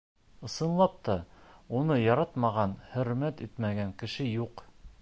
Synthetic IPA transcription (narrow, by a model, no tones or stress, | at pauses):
ɤ̆sɤ̆nlˠɑp̚t̪ɑunɤjɒɾɑt̪mɑʁɑnhɵ̆ɾmæt̪it̪mæɡæŋkɘ̆ʃɘjuq